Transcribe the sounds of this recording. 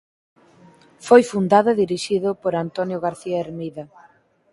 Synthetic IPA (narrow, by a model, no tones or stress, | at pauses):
fojfund̪aðʊðiɾiʃiðʊpoɾant̪onjʊɣaɾθiaeɾmiðɐ